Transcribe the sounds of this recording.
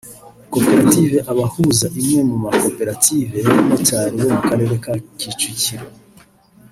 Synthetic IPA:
ko̞pe̞ɾative̞ʔaβahuzaʔimŋe̞mumako̞pe̞ɾative̞nataːɾiβo̞mukaɾe̞ːɾe̞kacit͡ʃiciɾa

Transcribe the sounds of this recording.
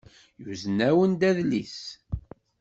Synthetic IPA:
juzənæwənd̪æðlis

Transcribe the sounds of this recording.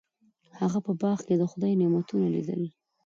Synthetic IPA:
haɣapəbɑɣked̪əxʊd̪ɑjnemat̪unalḭd̪ə̰l

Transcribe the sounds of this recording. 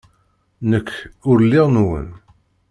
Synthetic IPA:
nəkːʊɾlːɪʁnwə̰n

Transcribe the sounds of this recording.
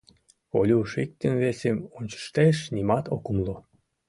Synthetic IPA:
olʲuʃik̚t̪ənvesemonʲt͡ɕə̥ʃt̪eʃnimɑt̪okumlˠo

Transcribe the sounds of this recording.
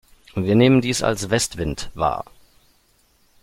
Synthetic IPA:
viːɐneːməndiːsa̰lsv̥ɛstv̥ɪntva̰ːɐ

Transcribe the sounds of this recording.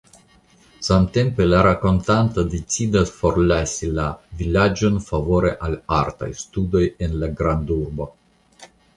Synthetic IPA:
samt̪empelaɾako̞nt̪ant̪ad̪et͡sid̪asfo̞ɾlasʲilavilad͡ʒo̞nfavo̞ɾeʔalaɾt̪a̰jst̪ud̪o̞jenlaɡɾand̪uɾbo

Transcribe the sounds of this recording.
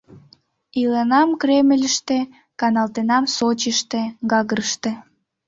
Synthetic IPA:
ilenɑmkreməlʲəʃt̪e | kɑnɑlt̪enɑmsot͡ɕəʃt̪eɡɑɣəɾəʃt̪e

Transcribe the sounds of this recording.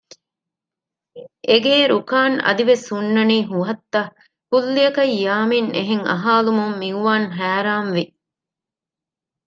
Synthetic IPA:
ʔeɡeːɾukaːnɐ̰d̪iʋesunːɐniːɦuɦɐt̪ːɐ | hulːijɐkɐjːaːmineɦeŋʔɐ̰ɦaːlumummiuʋaːnɦæːɾaːnʋi

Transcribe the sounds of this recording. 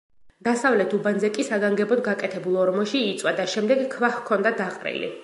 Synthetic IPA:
d̪̥asavlɛt̪ʰubanzɛkʼisaɡaŋɡɛbɔd̪ɡakʼɛt̪ʰɛbulˠɔɾmɔʃiːt̪sʼwad̪aʃɛmd̪ɛɡkʰːvaxkʰːɔnd̪ad̪aqʼɾḭlḭ

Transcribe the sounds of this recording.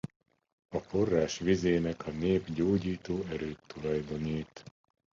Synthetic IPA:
ɒfo̞rːaːʃʋizeːnɛkʰɒneːbɟoːɟiːt̪oːɛɾøːt̪ːulɒjd̪o̞niːt̪

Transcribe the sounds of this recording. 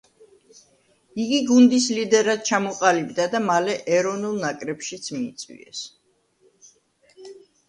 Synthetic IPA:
iɡiɡund̪islid̪ɛɾad̪̚t͡ʃʰamɔqʼalibd̪ad̪amalɛʔɛɾɔvnulˠnakʼɾɛpʃit̪sʰmiːt̪sʼwḭɛ̰s

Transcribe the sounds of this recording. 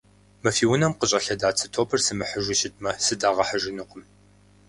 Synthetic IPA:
mɐfiːwʊnɐmqəɕʼɐɬɐdaːt͡sʰɨtʰoːpʰɨrsɨmɨħəʒʷɪʃɪt̚ʰʼmɐsɨdaːʁɐħəʒɪnɨqʷʼʊm

